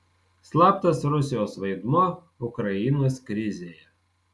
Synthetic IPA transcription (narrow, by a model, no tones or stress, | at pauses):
slˠɑːp̚t̪ɐsɾʊsʲɪjoːsʋɐɪd̪muɔː | ʊkɾɐjɪnoːskɾʲɪzʲeːjɛ